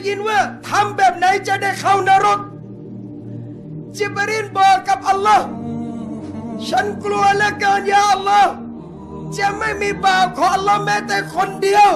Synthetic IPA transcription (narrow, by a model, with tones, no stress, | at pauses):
ji˧˥nwaː˥˩t̪ʰa˧˥mbɛː˨˩p̚na˨˦jt͡ɕa˨˩da˥˩jkʰa˧˥˩wna˧ɾo˦˥˩t̪̚ | t͡ɕi˧˥˦pa˧ɾi˧˥˩n̚bɔː˨˩ka˨˩p̚ʔa˧lːɔː˦˥˩h | t͡ɕʰa˦˥˨nklu˧ɐlɛ˦˥kaː˧njaː˧˩ʔa˧lːɔː˦˥˩ | t͡ɕa˨˩ma˥˩jmiː˧˥paː˨˩wkʰɔː˨˦ŋʔa˧lːɔː˦˥˩hmɛː˦˥t̪ɛː˨˩kʰo˧ndi˧əw